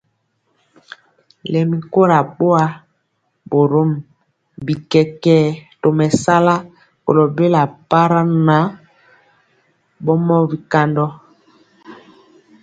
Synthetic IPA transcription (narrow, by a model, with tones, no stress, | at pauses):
lɛ˨mi˨ko˦ɾa˨ɓo˦a˦ | bo˨ɾo˦m | bi˨kɛ˨kɛː˦to˨mɛ˨sa˦la˦ | ko̰˨lo˨be˦la˨pa˦ɾa˦na˨˦ | bɔ˦mɔ˦bi˨ka˨ndɔ˦